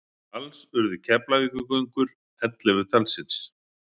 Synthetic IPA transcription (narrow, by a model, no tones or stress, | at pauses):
alsʏɾðʏcʰɛplaðikʏkœɥjŋkʏɾ̥ | ɛt̪lɪvɪt̪ʰalsɪns